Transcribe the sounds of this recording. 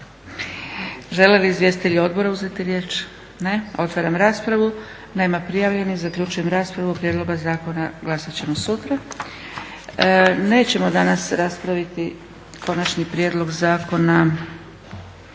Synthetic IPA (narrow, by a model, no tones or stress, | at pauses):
ʒe̞leliizʋje̞sit̪eʎio̞d̪̚bo̞ɾauze̞t̪iɾje̞ːt͡ʃ | ne̞o̞t̪ʋaɾamɾaːspɾaʋu | nemapɾijaʋʎe̞nizakʎut͡ʃujemɾaːspɾaʋupɾje̞d̪lˠo̞ɡazaːkonaɡlˠasat͡ɕe̞mo̞sut̪ɾa | ne̞ːt͡ɕe̞mo̞d̪anasɾaspɾaʋit̪i | kʰo̞nat͡ʃnipɾjed̪lˠo̞ɡzaːko̞na